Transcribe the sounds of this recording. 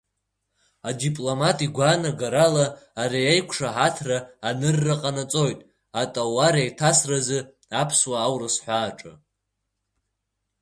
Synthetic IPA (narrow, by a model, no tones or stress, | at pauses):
adipʼlomatʼiɡʷanaɡaɾalaːɾijajkʷʰʂaħatʰraːnɨrːaqʼanat͡sʼo̞jtʼ | atʼawaɾajtʰasrazɨ | apʰswaːwrɨsħʷaːʈ͡ʂʼɨ̰